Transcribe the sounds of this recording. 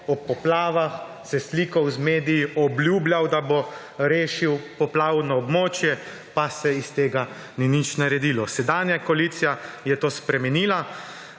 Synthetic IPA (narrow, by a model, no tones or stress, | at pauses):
ɔpɔplaːʋax | sɛsliːkɔwzmeːd̪ijiɔbljuːbljawd̪abo | ɾeːʃiwpɔplaːwnɔɔbmoːt͡ʃjɛ | pasɛist̪eːɡa | ninit͡ʃnaɾɛd̪iːlɔsɛd̪aːnjakɔliːt̪sijajɛt̪oːspɾɛmɛniːla